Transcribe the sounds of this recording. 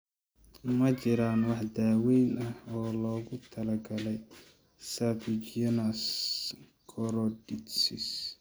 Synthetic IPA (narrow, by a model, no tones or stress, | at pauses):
mɐt͡ʃɪɾaːnwɑħd̪aːwɛjnɐhɔːlɔːɣʊt̪ʰɐlɐɡɐlɛj | sɐfid͡ʒɛnɐs | kʰɔɾɔdɪt̪sɪs